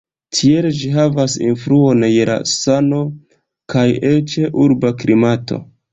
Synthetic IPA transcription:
tʰield͡ʒiɦavasḭnfɾuo̞njela̰sano̞ | kajet͡ʃe̞ʔuɾbakɾimatʰo̞̰

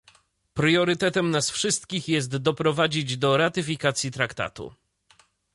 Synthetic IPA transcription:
pɾjɔɾɘt̪ɛt̪ɛmnasfʂɘst̪kʲixjɛst̪d̪ɔpɾɔvad͡ʑid͡ʑd̪ɔɾat̪ɘfʲikat̪sʲjit̪ɾakt̪a̰t̪ṵ

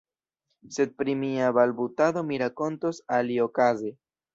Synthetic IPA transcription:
se̞d̪̚pɾimiabalbutaðo̞miɾako̞ntosalio̞kaze

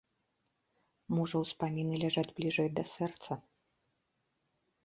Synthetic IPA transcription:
mɔʐɐwspamʲinɨlʲaʐad͡zʲblʲiʐɛjd̪ɐsɛrt̪sɐ

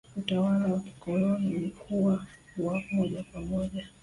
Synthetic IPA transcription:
utawalawaki̥kɔlɔniulikʰuwawamɔʄakwamɔʄa

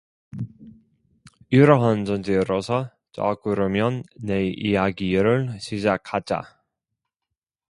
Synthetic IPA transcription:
iɾʌɦant͡ɕʌnd͡ʑeɾosʰʌ | t͡ɕʌ̰k͈ɯɾɯmjʌnːeijaɡiɾɯɭɕʰid͡ʑak̚ʰhad͡ʑa̰

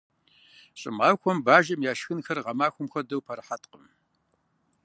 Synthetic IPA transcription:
ɕʼɪ̰maːxʷɔmbaːʒɐmjaːʃxɨnxɐrʁɐmaːxʷʊmxʷɐdɐwpʰɐɾħatqəm

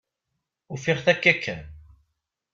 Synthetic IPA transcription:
ufɪʁθækːækʰːæn

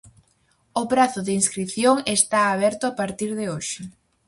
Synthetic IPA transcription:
ʊpɾaθʊðeinskɾiθjoŋest̪aːβ̞ɛɾt̪ʊapaɾt̪iɾðeoʃɪ

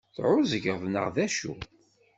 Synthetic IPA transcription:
θʕʊzəʝʁðnə̰ʁðæʃṵ

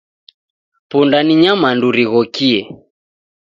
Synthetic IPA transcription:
pundaniɲamanduɾiɣɔkiɛ

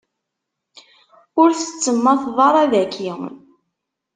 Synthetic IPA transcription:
ʊɾθə̥t͡sːəmːæθðˤɑɾˤæðækːiŋ

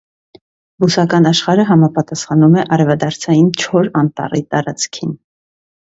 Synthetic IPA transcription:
busɑkɑnɑʃχɑɾəɦɑmɑpɑt̪ɑsχɑnumɛʔɑɾɛvɑd̪ɑɾt͡sʰɑjint͡ʃʰɔɾɑnt̪ɑ̰rit̪ɑɾɑt͡skʰin

